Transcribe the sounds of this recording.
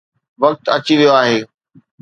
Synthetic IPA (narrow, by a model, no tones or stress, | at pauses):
ʋɐk̚t̪ɐt͡ɕiʋijoaːɦeː